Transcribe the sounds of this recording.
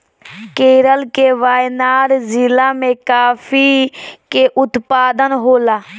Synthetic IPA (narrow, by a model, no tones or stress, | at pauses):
keːɾəlkeːʋaːjnaːɾzɪlaːmẽkaːfʰiːkeːʔʊt̪paːd̪ənɦoːlaː